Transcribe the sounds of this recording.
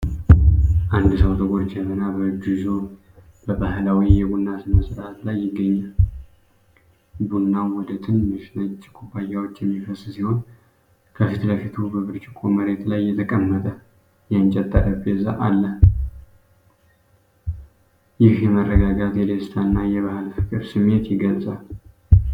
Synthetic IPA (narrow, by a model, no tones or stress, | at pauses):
ʔand̪səwt̪ʰʼəɡʷʼoɾd͡ʒɛmənabəɡɨzo | b̥əbahlawijɛɡunːat̪məsʼɾat̪lajːɪɡːəɲːal | bunːawɔd̪ət̪ʰɨnməʃnət͡ʃʼːɪkʰʼubajawot͡ʃːjɛmːifəssiho̞n | kʰəfɨt̪ʰələfit̪ʰubəβɨɾt͡ʃʼɪkʼoməɾe̞t̪lajːɛt̪ʰəkʼəmːət̪ʼə | jɛnt͡ʃʼɛt̪ʼːəɾəbeza̰ʔalːə | jɪhjɛmərːəɡaɡat̪jɛd̪est̪ʰanːajɛβahɨlfɨkʼɨɾsɨmːe̞t̪jɪɡət͡sʼal